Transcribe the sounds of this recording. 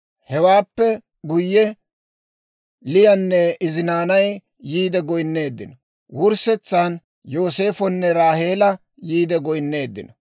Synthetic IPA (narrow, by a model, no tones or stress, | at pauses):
hɛwaːpːɛ | ɡʊjːɛ | lɪjɐnːɛɪzɪnaːnɐj | jːiːd̪ɛɡɔjnːe̞ːd̪ːɪnɔ | wʊɾsɛt͡sːan | jo̞ːse̞ːfɔnːɛɾaːhe̞ːlɐ | jiːd̪ɛɡɔjnːe̞ːd̪ːɪ̰nɔ